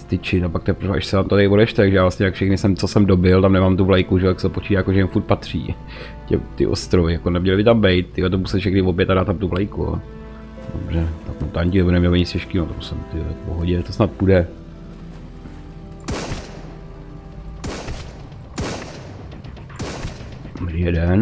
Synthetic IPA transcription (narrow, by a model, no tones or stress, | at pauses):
st̪ɪt͡ʃɪt̪apakt̪ɛpɾvɛʔa̰ʃsɛt̪amt̪ot̪aɪo̞dɛʃt̪ɛt̪aɡʒɛjaːvlast̪ɲɛjakfʃɛxnɪsɛmt͡sosɛmdobɪlt̪amnɛmaːmt̪uvlajkuʒɛoaksɛopot͡ʃiːdaːjakoʒɛɪmfuɾt̪̚pat̪r̝̥ḭː | cɛ̰mt̪ɪ̰ʔo̰st̪ɾovɪjakonɛmɲɛlɪbɪt̪ambɛjt̪̚t̪ɪɡɛt̪̬omusɛʃɛxnɪvobjɛt̪adaːt̪ːamt̪uvlajkuo̰ | do̰brɛt̪akmot̪aɲcɪnɛbonɛmɲɛlaɲɪsɛʃkɪnot̪amsɛmt̪ɪdɛpoɦoɟɛt̪osnat̪̚pudɛ | bɾijɛdɛn